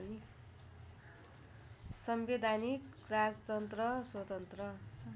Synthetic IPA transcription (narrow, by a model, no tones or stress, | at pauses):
ni | sʌmbed̪ʱanikrad͡zt̪ʌnt̪rʌswʌt̪ʌnt̪rʌ